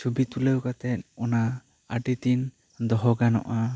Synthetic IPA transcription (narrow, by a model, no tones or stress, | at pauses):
t͡ʃubit̪ulewkat̪ɛt̪̚ɔna | a̰ʈit̪in | d̪ɔɦɔɡanɔ̰ʔa